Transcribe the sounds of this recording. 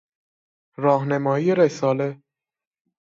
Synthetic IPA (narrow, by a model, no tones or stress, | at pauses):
ɾɒːɦnemɒːijeɾesɒːle